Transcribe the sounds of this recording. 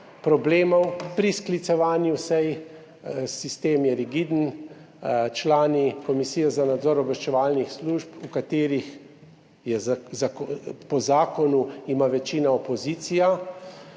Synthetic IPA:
pɾɔbleːmɔwpɾisklit̪sɛʋaːnjuwsɛj | sist̪eːmjɛɾiɡid̪n̩ | t͡ʃlaːnikɔmisiːjɛzanad̪zɔːɾɔbɛʃt͡ʃɛʋaːlnixsluːʒpukat̪eːɾix | jɛzzapɔzaːkɔnuimaʋɛt͡ʃiːnaɔpɔziːt̪sija

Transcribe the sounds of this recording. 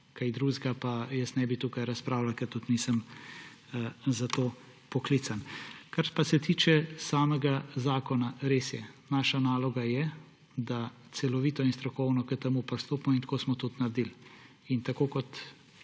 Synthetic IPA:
kajd̪ɾuːzɡapajəsnɛbit̪uːkajɾaspɾaːwlalkɛɾt̪ut̪nisəm | zat̪oː | pɔkliːt̪sankaɾpasɛt̪iːt͡ʃɛsaːmɛɡazaːkɔnaɾeːsjɛnaːʃanaːlɔɡajɛ | d̪at̪sɛlɔʋiːt̪ɔinst̪ɾɔkɔwnɔkət̪ɛmupɾɔst̪oːpmɔint̪koːsmɔt̪ut̪naɾd̪il | int̪akoːkɔt̪

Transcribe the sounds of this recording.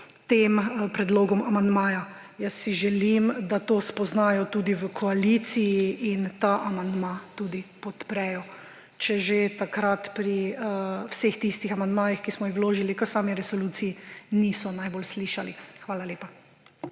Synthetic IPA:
t̪empɾɛd̪loːɡɔmamand̪maːja | jəsːiʒɛlimd̪at̪oːspɔznaːjɔt̪uːd̪iʋəkʰɔalit̪sijiint̪aʔamand̪mat̪uːd̪ipɔt̪pɾɛjɔ | t͡ʃɛʒet̪akɾat̪pɾi | wsext̪ist̪ixamand̪maːjixkismɔjixwloːʒilikəsaːmiɾɛsɔluːt̪sijiniːsɔnajbolsliːʃalixʋaːlaleːpa

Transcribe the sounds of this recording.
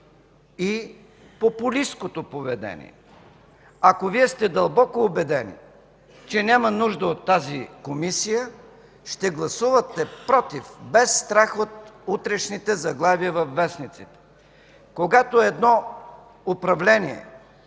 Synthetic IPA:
i | popʊliskot̪opovɛd̪ɛ̰nḭɛ | ɐkoviɛst̪ɛd̪ɐlˠbɔkoːbɛd̪ɛnḭ | t͡ʃɛnʲamɐnuʒd̪əot̪ːazikomisijə | ʃt̪ɛɡlˠɐsuvət̪ɛpɾɔt̪ifbɛsːt̪ɾaxot̪ut̪ɾɛʃnit̪ɛzɐɡlˠaviəvɐfːɛsnit̪sit̪ɛ̥ | koɡat̪oɛd̪nɔ | opɾɐvlɛniɛ̰

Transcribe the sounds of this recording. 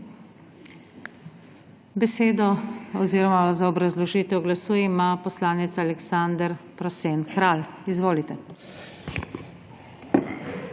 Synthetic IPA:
bɛseːd̪ɔɔziːɾɔmazaɔbɾazlɔʒiːt̪ɛwɡlasuːjɛmapɔslaːnit̪salɛksand̪əɾpɾɔseːnkɾaːlizʋoːlit̪ɛ

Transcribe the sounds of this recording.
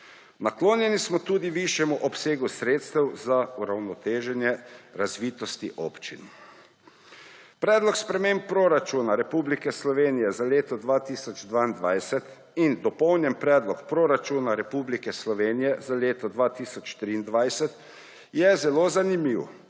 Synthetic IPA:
nakloːnjɛnismɔt̪uːd̪iʋiʃjɛmuʔɔpseːɡusɾeːt̪st̪ɛwzauɾawnɔt̪eːʒɛnjɛɾazʋiːt̪ɔst̪iʔopt͡ʃḭn | pɾɛːd̪lɔkspɾɛmempːɾoɾat͡ʃuːnaɾɛpublikɛslɔʋeːnijɛzaleːt̪ɔd̪ʋaːt̪isɔd͡ʒd̪ʋaːind̪ʋajsɛt̪ | ind̪ɔpɔwnjɛmpɾɛːd̪lɔkpɾoɾat͡ʃuːnaɾɛpublikɛslɔʋeːnijɛzaleːt̪ɔd̪ʋaːt̪isɔt͡ʃt̪ɾiːnd̪ʋajsɛt̪ | jɛzɛloːzanimiːw

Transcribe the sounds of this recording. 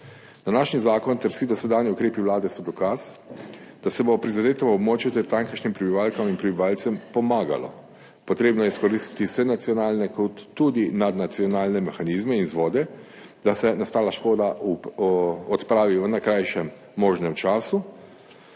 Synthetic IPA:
d̪anaːʃnizaːkɔnt̪ɛɾsiːd̪ɔsɛd̪aːniukɾeːpiwlaːd̪ɛsɔd̪ɔkas | d̪̥asɛbopɾizad̪eːt̪ɔmɔbmoːt͡ʃjut̪ɛɾt̪aŋkəʃnimpɾɛbiʋaːlkaminpɾɛbiʋalt̪sɛmpɔmaːɡa̰lɔ̰ | pɔt̪ɾeːbnɔjɛiskɔɾist̪i̥t̪isɛnat̪sijɔnaːlnɛkɔt̪ːud̪inad̪nat̪sijɔnaːlnɛmɛxanizmɛinzʋoːd̪ɛ | d̪asɛnast̪aːlaʃkoːd̪a | ɔt̪pɾaːʋiʋənakɾajʃɛmː | oːʒnɛmt͡ʃaːsu

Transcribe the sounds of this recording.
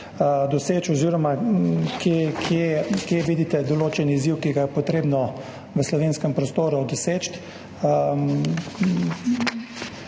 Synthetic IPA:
d̪ɔseːt͡ʃɔziɾɔmakjekʰjekjeʋiːd̪it̪ɛd̪ɔloːt͡ʃɛniiziwkiɡajɛpɔt̪ɾeːbnɔ | ʋəslɔʋeːnskɛmpɾɔst̪oːɾud̪ɔseːt͡ʃt̪

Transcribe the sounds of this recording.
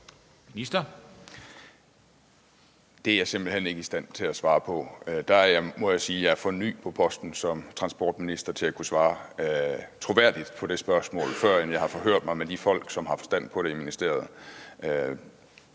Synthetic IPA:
minisd̥ɐ | d̥e̝æɐɑ̈se̝m̰b̥l̩hene̝ɡ̥əisd̥æn̰t͡sʰe̝læsʋɑ̈ːpʰɒ̽d̥ææɐjɑ̈ɪmɒ̽jɑ̈siːjɑ̈æɐfɒ̽ny̰ːpʰɒ̽pʰɒ̽sd̥n̩sɒ̽mt͡sʰʁɑ̈nsb̥ɒ̰ːd̥minisd̥ɐt͡sʰe̝lækʰusʋɑ̈ː | t͡sʰʁo̝ʋæɐ̰d̥id̥pʰɒ̽ɾ̥e̝sb̥ɶɐsmɔ̰̽ːlfɶɐ̰emjɑ̈ɪhɑ̈fɒ̽ɦøɐ̰d̥mɑ̈ɪmed̥ifɒ̽l̰ɡ̥sɒ̽mɦɑ̈fɒ̽sd̥æn̰pʰɒ̽ɾ̥e̝iminisd̥e̝ɐ̰ð̩ˠ

